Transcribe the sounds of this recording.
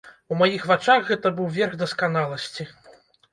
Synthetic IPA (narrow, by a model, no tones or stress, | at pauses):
umajixvat͡ʂaxɣɛt̪ɐbɨwvʲɛrɣd̪ɐskan̪alˠɐsʲt͡sʲi